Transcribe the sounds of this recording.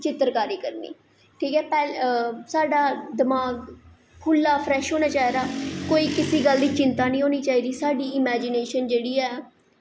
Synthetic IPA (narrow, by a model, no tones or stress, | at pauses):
t͡ʃɪt̪ɾkaːɾiːkəɾnḭː | ʈʰiːkɛːpɛːlsaːɖaːd̪ɪmaːɡ | kʰʊlːaːpʰɾɛːʃɦoːnaːt͡ʃaːed̪aːkoːiːkɪsiːɡəld̪iːt͡ʃɪnt̪aːnĩːɦoːniːt͡ʃaːiːd̪iːsaːɖiːɪmɛːd͡ʒɪneːʃənd͡ʒeːɽiːɛː